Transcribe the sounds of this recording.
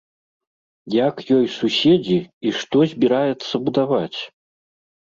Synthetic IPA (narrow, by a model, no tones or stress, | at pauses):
jakjɔjsusʲed͡zʲiiʂt̪ɔzʲbʲiɾajɛt̪sːɐbud̪avat͡sʲ